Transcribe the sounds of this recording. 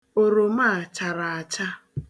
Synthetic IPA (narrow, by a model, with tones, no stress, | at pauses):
o˨ɾo˨ma˦˨t͡ʃa˨ɾa˨a˨t͡ʃa˦